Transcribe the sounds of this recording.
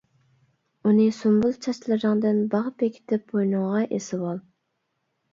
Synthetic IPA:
unɨsumbulˠt͡ʃʰɑʃlˠɨɾəŋd̪ɨnbɑʁpekʲʰɪ̥t̪ʰɪpːojnʊŋʁɑʔesɪwɑlˠ

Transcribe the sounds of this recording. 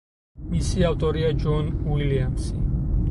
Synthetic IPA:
misiaft̪ʼɔɾiad͡ʒɔnwiliamsi

